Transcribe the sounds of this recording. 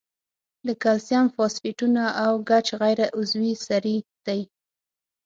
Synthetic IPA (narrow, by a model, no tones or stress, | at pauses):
ləkalsjamfɑsfiʈunaːwɡat͡ʃɣajɾaʔʊzwisaɾid̪̥aj